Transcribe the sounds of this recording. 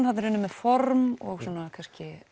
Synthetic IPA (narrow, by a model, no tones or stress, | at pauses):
nhat̪ɾʏnʏmːɛðfɔɾmɔɣswɔːnakʰanscɪ